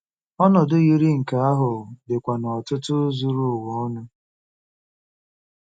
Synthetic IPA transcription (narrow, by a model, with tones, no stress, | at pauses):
ɔ˦nɔ˨dʊ˦ɣi˦ɾi˦ŋ̩˨ka˦a˦ɦʊ˨dɪ˨kʷa˨nɔ˨ɔ˨tʊ˦tʊ˦zu˦ɾu˦˨wɔ˦nʊ˦